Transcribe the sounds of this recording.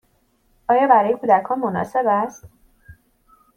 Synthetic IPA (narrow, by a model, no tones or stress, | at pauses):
ʔɒːjɒːbæɾɒːje̞kʰuːd̪ækʰɒːnmonɒ̰ːse̞bæst̪